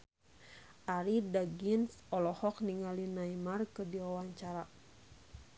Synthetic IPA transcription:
ʔaɾidaɡinsɔlɔhɔk̚niŋalinaimarkɨdiawaɲt͡ʃaɾa

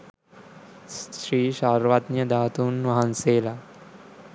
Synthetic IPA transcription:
sɾiːʃaːɾʋat̪njɐd̪aːt̪uːnʋɐɦɐnseːla

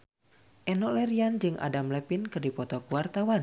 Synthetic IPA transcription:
ʔɛnɔʔlɛɾiand͡ʒɨŋʔa̰damlɛpinkɨrdipɔt̪ɔkuwart̪awan

